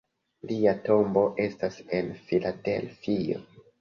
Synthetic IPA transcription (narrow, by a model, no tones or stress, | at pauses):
liato̞mbo̞ʔe̞stase̞nfilade̞̰lfio̰